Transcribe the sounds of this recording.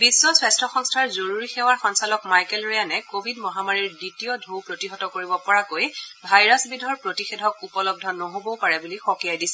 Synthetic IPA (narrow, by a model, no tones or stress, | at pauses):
bisːɔswɛstʰɔxɔŋstʰaɹzoɹuɹixɛwaɹxɔnsalɔkmajkɛlɹejanɛkobʱidmɔɦamaɹiɹditijɔdʱowpɹotiɦɔtɔkoɹibɔpɔɹakojbʱajɹasbidʱɔɹpɹotixedʱɔkupɔlɔb̚dʱɔnɔɦobɔpaɹɛbulixɔkijajdisɛ